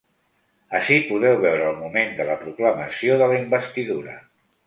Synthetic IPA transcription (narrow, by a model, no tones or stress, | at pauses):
əʃipuðɛwβɛwɾəːlˠmumend̪ələpɾukləməsioðələimbəst̪iðuɾə̰